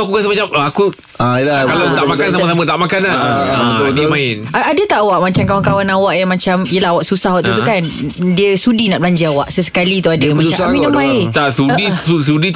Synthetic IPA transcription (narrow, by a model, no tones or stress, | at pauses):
akukasəmat͡ʃaməaku | akalaamakansaəs̬amət̪aʔmakana | imaɪnaadət̪aʔwaʔmat͡ʃamkawankawanawaʔjamat͡ʃamjəlaɦawaʔsusahawaʔt̪ut̪ukandiəsudinaʔbəlaɲd͡ʒəawaʔsəsə̥kalit̪uadəmat͡ʃaaminamaɪnt̪aʔsudius̬udit̪